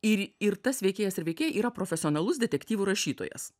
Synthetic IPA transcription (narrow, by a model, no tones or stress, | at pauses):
ɪɪɾt̪ɐsʋʲɛɪkʲeːjɛsɪɾʋʲɛɪkʲeːjɛʔiːɾɐpɾoːfʲɛsʲɪonɐlˠʊsd̪ʲɛt̪ʲɛkʲt̪ʲiːʋuɾɐʃʲiːt̪o̰ːjɛ̰s